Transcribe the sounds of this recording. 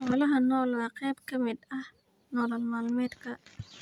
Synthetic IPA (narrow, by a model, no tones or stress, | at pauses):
ʔɔːlɐɦɐnɔːlwɑːqɛjbkʰɐmɪd̪ɐh | nɔːlɐlmaːlmɛːd̪kʰɐ